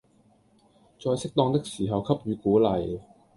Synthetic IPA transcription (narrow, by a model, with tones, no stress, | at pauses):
t͡sɔː˧jsɪ˥k̚t̪ɔː˧ŋt̪ɪ˥k̚siː˨˩ɦɐ˨wkʰɐ˥p̚ɥyː˨˧kuː˨˥lɐ˨˩j